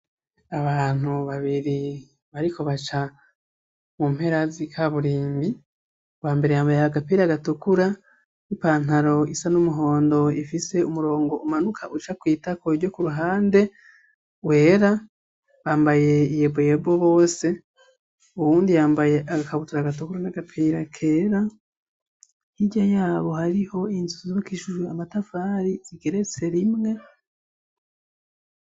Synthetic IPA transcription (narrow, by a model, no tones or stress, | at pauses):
aβaːn̥huβaβiɾi | βaɾiko̞βat͡ʃa | mum̥he̞ɾazikʰaβuɾiːmbi | waːmbe̞ɾe̞jaːmbajaaɡapiɾaɡatukuɾa | ipaːn̥haɾo̞isanumuɦo̞ːndo̞ifise̞umuɾo̞ːŋɡo̞umanukʰaʔut͡ʃakwiːtakoɾɟo̞kuɾuɦaːnde̞ | we̞ːɾa | βaːmbaje̞ijebojeboβo̞ːse̞ | uβuːndijaːmbajeʔaɡakaβutuɾaɡatokuɾnaɡapʰeɾakʰeːɾa | hiɟajaːβo̞haɾiho̞inzuuzzokiʃuʒuamatafaːɾiziɡeɾe̞t͡se̞ɾimŋe̞